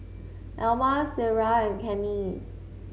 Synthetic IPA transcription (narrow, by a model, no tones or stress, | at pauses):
ʔɛlmaseɹaɛ̃nkʰɛ̃ni